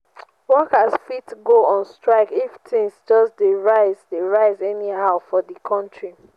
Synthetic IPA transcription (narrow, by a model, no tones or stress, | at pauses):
wɔkasfitɡoɔ̃nstɹaɪkiftʰɪ̃ŋsd͡ʒɔsdeɹaɪzdeɹaɪzɛniɦaʊfɔdikʰɔ̃ntɹi